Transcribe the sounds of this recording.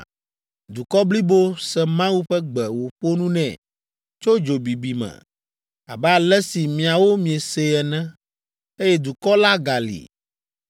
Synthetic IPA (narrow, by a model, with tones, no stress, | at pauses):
d̪u˨kɔ˦bli˦bo˦sɛ˨mã˦wu˦ɸɛ˦ɡ͡bɛ˨wo˨ɸo˦nũ˦nɛ̰̃˨ | t͡ʃo˦d͡ʒo˨bi˨bi˨mɛ̰̃˨ | a̰˨bɛ˦a˨lɛ˦si˨mĩ˨a˨wo˦mĩ˨ɛ˨se˦ɛ˨nɛ̃˦ | e˦jɛ˦d̪u˨kɔ˦la˦ɡa˨lḭ˨